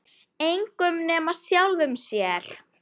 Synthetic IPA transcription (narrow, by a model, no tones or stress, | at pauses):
ejŋkʏmnɛːmasjawlðʏmsjɛɾ̥